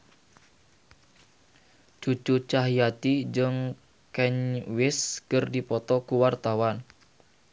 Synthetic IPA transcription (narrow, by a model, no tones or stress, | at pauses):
t͡ʃut͡ʃut͡ʃaɦijat̪id͡ʒəŋ | kɛɲwɪskərdipɔt̪ɔkuwart̪awan